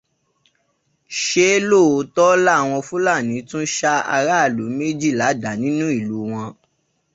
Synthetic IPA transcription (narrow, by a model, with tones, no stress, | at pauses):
ʃe˦lo˦˨˦tɔ˦la˦˨w̃ɔ̃˧fũ˦la˦˨nĩ˨˦tũ˦ʃa˦a̰˧ɾa˦˨lu˨˦me˦d͡ʒi˦˨la˨˦da˨˦nĩ˦nũ˦i˦˨lu˨˦w̃ɔ̃˧